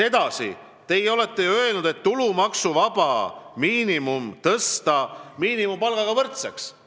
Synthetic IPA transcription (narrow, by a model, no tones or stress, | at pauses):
e̞d̪̥ɑsḭ | t̪e̞jo̞le̞t̪ːe̞jø̞e̞lnud̪̥e̞t̪ːulumɑksuvɑb̥ɑmiːnimumt̪ɤst̪ɑmiːnimumpɑlɡ̥ɑɡɑvɤrt̪seks